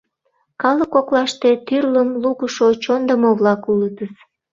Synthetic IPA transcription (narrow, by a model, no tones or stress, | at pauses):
kɑləkoklɑʃt̪et̪yrləmluɣuʃot͡ɕond̪əmoβlɑkulət̪əs